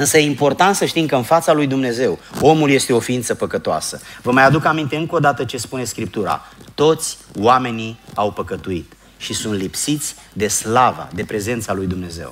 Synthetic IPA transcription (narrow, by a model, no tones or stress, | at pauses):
ɨnsəjeimpo̞rt̪ant̪səʃt̪imkəɨnfat̪salujd̪umne̞ze̞wo̞mulje̞st̪eo̞fiint̪səpəkət̪oa̰sə̰vəmajad̪ukamint̪e̞ɨŋko̞d̪at̪ət͡ʃe̞spune̞skɾip̚t̪uɾa̰t̪o̞t̪sʲwame̞niawpəkət̪uit̪ | ʃisunt̪lipsit̪sʲ | d̪e̞slava̰d̪e̞pɾe̞ze̞nt̪salujd̪umne̞ze̞̰w